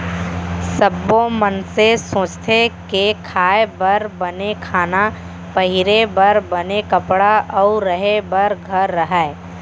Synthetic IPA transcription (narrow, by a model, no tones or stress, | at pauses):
səbːõmənsesõːt͡ʃt̪ʰekekʰaːebɐɾbɐnekʰaːna | pɐɦɪɾebɐɾbɐnekɐpɽaʔɔʊɾəɦebɐɾɡʱɐɾːəɦɛe